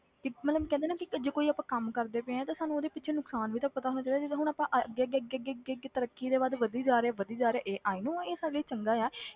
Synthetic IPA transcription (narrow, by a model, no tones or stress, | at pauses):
kɪmɛt̪ləmkɛ̃nd̪eːnaːkɪd͡ʒeːkoːiːaːpãːkəmkəɾd̪eːpẽẽɛ̃ːt̪ãːsaːnũoːd̪eːpɪtːʃʰeːnʊksaːnʋiːt̪aːpət̪aːɦoːnaːt͡ʃaːid̪aːeɦʊɽ̃aːpãːʔəɡeɡeəɡeəɡeːɡeɡet̪əɾəkːiːd̪eːʋaːd̪ʋəd̪iːd͡ʒaːɾeɛːʋəd̪iːd͡ʒaːɾeɛːʔeːʔaːiːnũːãeːsaːɾeːliːt͡ʃəŋɡaːɛː